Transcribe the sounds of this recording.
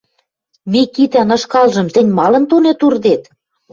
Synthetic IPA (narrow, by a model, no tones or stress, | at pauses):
mikit̪ænɤ̆ʃkɑlʒɤ̆mt̪ɘ̆nʲmɑlɤ̆nt̪onet̪urd̪et̪